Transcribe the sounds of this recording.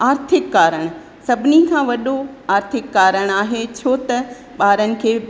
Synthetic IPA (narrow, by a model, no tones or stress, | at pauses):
aːɾt̪ʰɪkːaːɾəɽ̃ | sɐbʱɪnikʰãːʋɐɗoaːɾt̪ʰɪkːaːɾəɽ̃aːɦet͡ɕʰoːt̪ɐ | ɓaːɾənɪ̆kʰeː